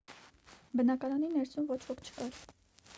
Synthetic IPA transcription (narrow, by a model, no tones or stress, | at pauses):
bənɑkɑɾɑninɛɾsumvɔt͡ʃʰvɔkʰt͡ʃʰə̥kɑɾ